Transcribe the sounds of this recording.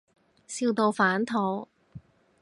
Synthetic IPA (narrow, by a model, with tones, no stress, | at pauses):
siː˧wt̪o˧wfaː˨˥nt̪ʰɔː˨˧˩ŋ